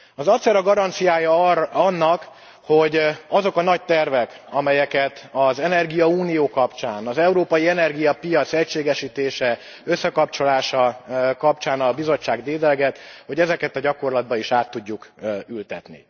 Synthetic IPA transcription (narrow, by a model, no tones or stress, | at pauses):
ɒzɒt̪sɛɾɒɡɒɾɒnt̪sijaːjɒɒnːɒk | ho̞ɟɒzo̞kɒnɒc̚t̪ɛrvɛkɒmɛjɛkɛt̪ɒzɛnɛrɡijɒuːnijoːkɒpt͡ʃaːnɒzɛuɾoːpɒjiɛnɛrɡijɒpijɒt̪sɛcʃeːɡɛʃiːt̪eːʃɛ | ø̞sːɛkɒpt͡ʃo̞laːʃɒkɒp̚t͡ʃaːnɒbizo̞t͡ʃːaːɡd̪eːd̪ɛlɡɛt̪ho̞ɟɛzɛkɛt̪ɒɟɒko̞rlɒd̪̚bɒiʃaːt̪ːuɟːukylt̪ɛt̪nḭ